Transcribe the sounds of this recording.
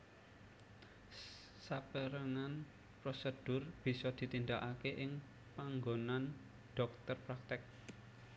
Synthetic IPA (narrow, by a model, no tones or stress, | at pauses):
sapəɾəŋan | pɾosəd̥ʊ̤rb̥i̤sɔd̪̥i̤t̪ind̪aʔakeʔɪŋ | paŋɡonan | ɖ̥ɔk̚t̪ərpɾak̚t̪ɪk̚